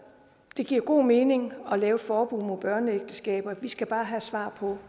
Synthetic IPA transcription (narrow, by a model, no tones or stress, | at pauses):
d̥e̝ɡ̥iɐɡ̥o̝̰ːme̝ːne̝ŋɒ̽lɛːʊ̥fɒːb̥uð̰ˠmo̝ðˠb̥ɶɐnəeɡ̥̚d̥əsɡ̥ɛ̰ːb̥ɐʋisɡ̥æb̥ɑ̈ːɦæsʋɑ̰̈ːpʰɒ̽